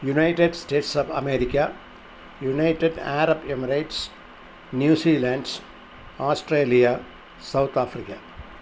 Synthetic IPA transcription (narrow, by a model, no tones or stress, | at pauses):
junɐjʈeɖsʈeːʈsɐbɐ̰meːɾikʲːɐ | junɐjʈːeɖaːɾɐbemɐɾɐjʈs | njuːsiːlaːɳɖs | aːsʈreːlijɐ | sɐwt̪ʰaːfɾikːɐ